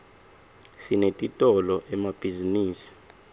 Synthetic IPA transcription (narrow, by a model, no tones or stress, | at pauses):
sinetʼitʼɔlɔʔɛmab̥ʱiziniːsi̥